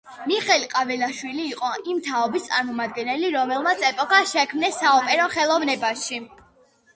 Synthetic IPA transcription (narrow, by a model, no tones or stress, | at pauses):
miχɛlqʼavɛlaʃwiliːqʼɔʔimt̪ʰaɔbist̪sʼaɾmɔmad̪̚ɡɛnɛliɾɔmɛlˠmat̪sʰɛpʼɔkʰaʃɛkʰmnɛsːaɔpʼɛɾɔχɛlˠɔvnɛbaʃi